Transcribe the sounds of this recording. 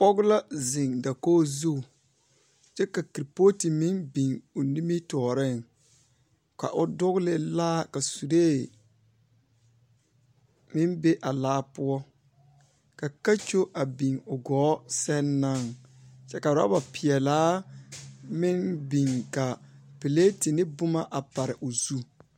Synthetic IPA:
pɔ˦ɡla˦zɪ˨ŋda˨koː˦zu˦˨ | t͡ʃɛ˦ka˨kɾi˨po˦ti˨mɪ˦nbi˨ŋʊ˨ni˦mi˦tɔː˨ɾɪ˦˨ŋ | ka̰˨ʔʊ˦dʊ˦ɣlɪ˦laː˦ka˨su˨ɾeː˦˨ | mɪ˦nbe˦ʔa˨laː˦pʊ˦ɔ˦ | ka˨ka˦t͡ʃo˦ʔa˨bi˨ŋʊ˨ɡɔː˨˦sɛ˦nːa˦˨ŋ | t͡ʃɛ˦ka˨ɾa̰˦ba˨pɪ˨ɛ˨laː˦ | mɪ˦nbi˨ŋka˨pi˨le˦ti˨nɪ˦bʊ˦ma˦ʔa˨pa˨ɾɪ˨ʔʊ˨zu˦

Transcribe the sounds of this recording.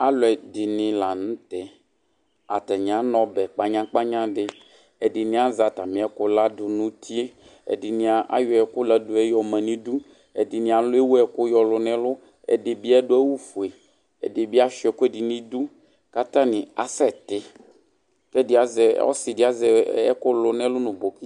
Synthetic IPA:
a˦lʊ˨ɛ˨dɪ˨nɪ̃˨la˨nũ˦t̪ɛ˨ | a̰˨t̪ɛ˨ɲ˨ã˨˦nɔ̃˦bɛ˨k͡pa˦ɲã˦k͡pa˦ɲã˦dɪ˦ | ɛ˨dɪ˨nĩ˦a˦za˨t̪a˨mĩ˨˦ɛ˦kʊ˦la˦dʊ˨nũ˦t̪i˦e˦ | ɛ̰˨di˨nĩ˨˦a˨ʔa̰˦jʊ˨˦ɛ˨kʊ˦lɛ˨dʊ˨ɛ˦jɔ˨mɛ̃˨nĩ˦du˦ | ɛ˨dɪ˨nĩ˨a˨lʊ˦e˦wu˦ɛ˨kʊ˦jɔ˨lʊ˨nɛ̃˦lʊ˦ | ɛ̰˨dɪ˨bi˦ɛ˦dʊ˦ɛ˦wu˦fu˨e˨ | ɛ̰˨dɪ˨bi˦a˦ʃɛ˨kʊ˦ɛ˦˨di˨nĩ˦du˦ | ka˦t̪ã˦nɪ̃˨a˨sɛ˦t̪ɪ˨ | fɛ˦di˨a˨zɛ˨˦ɔ̰˦sɪ˨da˦zɛ˨ɛ̰˦kʊ˦lʊ˨nɛ̃˦lʊ˦nʊ̃˨bo˨ki˦

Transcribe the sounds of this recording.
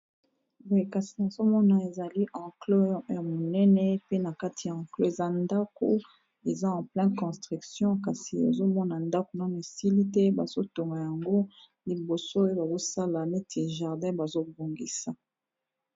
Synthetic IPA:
bka˨si˨na˨zo˦mɔ˦na˨e˨za˨li˦ʔɑ̃˨klo˦ja˨mo˨nɛ˦nɛ˦pe˦na˨ka˦ti˨ja˨ɑ̃˨klo˦e˨za˦nda˦ko̰˦ | e˨za˦ɑ̃˨plɛ̃˦kɔ̃˨stʁy˨ksjɔ̃˦ka˨si˨ḛ˨zo˦mɔ˦na˨nda˦ko˨nã˦me˨si˦li˦tɛ˦ba˨z̥o˦to˨ŋɡa˨ja˨ŋɡo˦ | li˨bo˨so˦o˦ba˨bo˦sa˦la˨nɛ˦tʰe˨ʒa˨ʁdɛ̃˦ba˨zo˦bo˨ŋɡi˨sa˨

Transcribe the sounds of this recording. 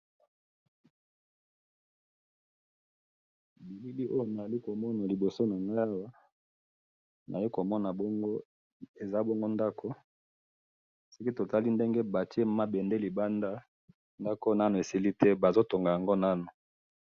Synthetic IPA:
bi˨li˦li˦ʔo˦jo˨na˨a˨li˦ko˨mɔ˦na˨li˨bo˨so˦na˨ŋɡa˦ja˦wa˦ | nʔa˨ji˦ko˨mɔ˦na˨bo˦ŋɡo˦ | e˨za˦bo˦ŋɡo˦nda˦kʰo˦ | so˦ki˦to˨ta˦li˦nde˦ŋɡe˦ba˨ti˦e˦ma˦bɛ˨nde˦li˨ba˦nda˦ | nda˦ko˦na˦no˨e˨si˦li˦tɛ˦ba˨zo˦to˨ŋɡa˨ja˨ŋɡo˦na˦no˨

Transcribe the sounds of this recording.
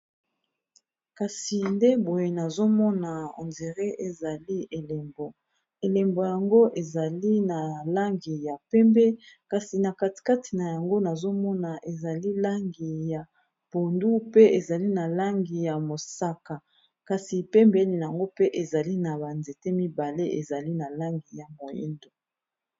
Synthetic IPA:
ka˨si˨nde˦bo˨je˨na˨zo˦mɔ˦na˨o̰˨nze˨ʁe˦ʔe˨za˨li˦e˨le˨mbo˨ | e˨le˨mbo˨ja˨ŋɡo˦ʔe˨za˨li˦na˨la˦ŋɡi˨ja˨pɛ˦mbɛ˦ka˨si˨na˨ka˨ti̥˨ka˦ti̥˨na˨ja˨ŋɡo˦na˨zo˦mɔ˦na˨ʔe˨za˨li˦la˦ŋɡi˨ja˨ | b̥o˨ndu˦pe˦e˨za˨li˦na˨la˦ŋɡi˨ja˨mo˨sa˦ka˨ | ka˨si˨pɛ˦mbe˦li˨n˨a˨ŋɡo˦pe˦ʔe˨za˨li˦na˨ba˨nze˨te˦mi˦ba˨le˦ʔḛ˨za˨li˦na˨la˦ŋɡi˨ja˨mo˨jḭ˦ndo˨

